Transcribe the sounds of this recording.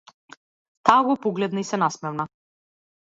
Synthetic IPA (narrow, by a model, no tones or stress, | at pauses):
t̪aːɡɔpɔɡlɛd̪naisɛnasmɛvna